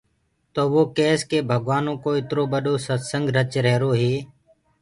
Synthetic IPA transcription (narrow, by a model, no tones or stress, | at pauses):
t̪oːʋoːkeːskeːbʱəɠʋaːnõːkoːɪt̪ɾoːɓəɗoːsəsəŋɡʱɾət͡ʃɾɛɦɾoːɦeː